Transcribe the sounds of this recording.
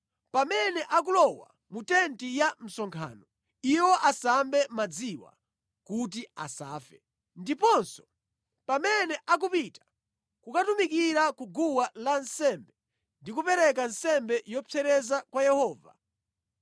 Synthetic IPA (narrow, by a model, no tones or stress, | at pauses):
pamɛnɛʔak̬ulɔwa̰ | mutɛntijam̩sɔŋkʰa̰ːnɔ | iwɔʔasambɛmad͡ziwa̰ | kut̬ia̰sa̰ːfɛ | ndipɔnsɔ̥ | pamɛnɛʔak̬upitḁ | kukatumikiɾakuɡuwalansɛmbɛ | ndikupɛɾɛk̬ansɛmbɛjɔpʰɛɾɛzakwajɛhɔːva̰